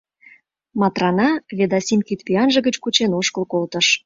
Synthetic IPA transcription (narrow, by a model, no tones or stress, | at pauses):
mɑt̪rɑnɑβed̪ɑsʲimkʲit̪pʲiɑnʒə̆ɣət͡ɕkut͡ɕenoʃkə̆lkolt̪ə̆ʃ